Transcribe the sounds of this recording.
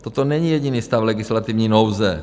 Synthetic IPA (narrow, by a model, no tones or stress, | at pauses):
t̪ot̪onɛɲijɛɟinist̪aflɛɡɪslat̪ɪvɲiːnowzɛ